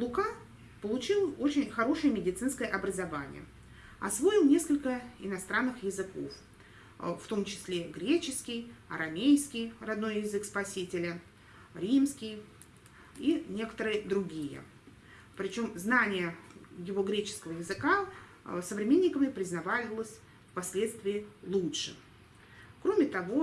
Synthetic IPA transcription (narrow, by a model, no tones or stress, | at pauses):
lˠʊka | pəlˠʊt͡ɕilˠo̞t͡ɕɪnʲxɐɾo̞ʂɨjəmʲɪdʲɪt̪sɨnskəjəʔɐbɾəzɐvanʲɪ̰jə̰ | ɐ̰svo̞ɪlˠnʲe̞skəlʲkəɪnɐst̪ɾanːɨxjɪzɨko̞̰f | ft̪o̞mt͡ɕɪ̥sʲlʲeɡɾʲet͡ɕɪskʲɪjɐɾɐmʲejskʲɪjrɐd̪no̞jjɪzɨkspɐsʲitʲɪlʲə | ɾʲimskʲɪj | inʲe̞kə̥t̪əɾɨjɪd̪ɾʊɡʲijə̰ | pɾʲɪt͡ɕo̞mznanʲɪjəjɪvo̞ɡɾʲet͡ɕɪ̥skəvəjɪzɨka | səvɾʲɪmʲenʲːɪkəvəpɾʲɪznɐvalʲɪlˠəsʲ | fpɐsʲlʲe̞t̪st̪vʲɪɪlˠutʂɨ | kɾo̞mʲɪt̪ɐvo̞